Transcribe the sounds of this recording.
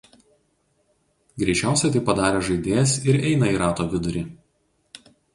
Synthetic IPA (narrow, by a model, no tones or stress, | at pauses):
ɡɾʲɛɪt͡ʃʲæˑʊsʲɛt̪ɐɪpɐd̪ɑːɾʲeːʒɐɪd̪ʲeːsɪɾɛɪnɐiːɾɑːt̪oːʋʲɪd̪ʊɾʲɪ